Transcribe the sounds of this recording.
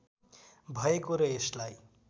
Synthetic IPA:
bʱʌekoɾʌeslaj

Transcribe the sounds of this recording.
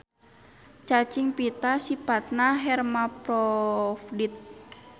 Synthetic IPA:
t͡ʃat͡ʃiŋpit̪asipat̪̚naɦɛrmapɾɔfdit̪̚

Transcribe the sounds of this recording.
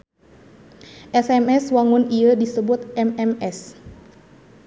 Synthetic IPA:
ʔɛsɛmɛswaŋʊniədisəbʊt̪̚ɛmɛmɛs

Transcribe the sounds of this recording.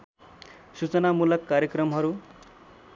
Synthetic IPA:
sut͡sʌnamulʌkːaɾjʌkrʌmɦʌɾu

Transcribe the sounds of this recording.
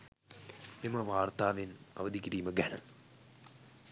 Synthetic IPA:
mimɐʋaːrt̪aːʋinɐ̰ʋɐd̪ʱikiɾiːmɐɡɐɳɐ̰

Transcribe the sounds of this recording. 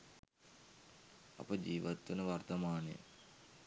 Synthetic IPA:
ɐ̰pɐd͡ʒiːʋɐt̪ːunɐʋɐrt̪ɐmaːnjə̰

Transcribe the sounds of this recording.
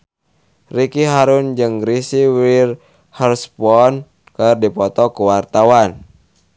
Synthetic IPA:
rikiɦaɾund͡ʒɨŋɡɾisiwir | hərspɔn | kərdipɔt̪ɔkuwart̪awan

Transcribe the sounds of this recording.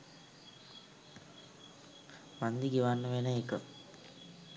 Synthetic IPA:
mand̪iɡiʋanːəʋenəekə

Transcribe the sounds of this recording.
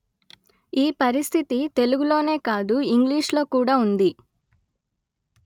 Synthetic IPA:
iːpɐɾist̪ʰit̪it̪e̞luɡulo̞ːne̞ːkaːd̪uiŋɡliːʂlo̞ːkuːɽaːund̪i

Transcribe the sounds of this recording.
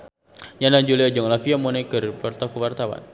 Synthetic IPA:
janand͡ʒuliad͡ʒɔŋlafiamɔnakərpɔrt̪akuwart̪awa̰n

